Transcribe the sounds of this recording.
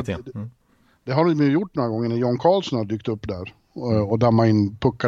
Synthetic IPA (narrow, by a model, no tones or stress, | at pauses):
t̪ | d̪̥ɛɦaɖmjjʊʈːnɔɾaɡɔŋːəɳæɾjɔnkʰɑːlsɔnhad̪yːk̚t̪ɵpːd̪æɾ | ɔd̪amːaɪnːpʰɵkːa